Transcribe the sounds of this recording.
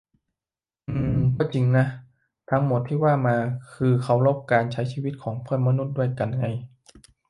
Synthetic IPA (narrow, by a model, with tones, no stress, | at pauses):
ʔɯː˧˩kʰɔː˧˥˩t͡ɕi˧ŋna˦˥ | t̪ʰa˦˥ŋmo˨˩t̪ʰːiː˥˩waː˥˩maː˧kʰɯː˧kʰa˦˥wloː˥˩p̚kaː˧nt͡ɕʰa˦˥jt͡ɕʰiː˥˩wi˦˥t̪̚kʰɔː˩˦ŋpʰɯ˥˩ənma˧nu˦˥t̪̚du˥˩əjka˧na˧ŋa˧j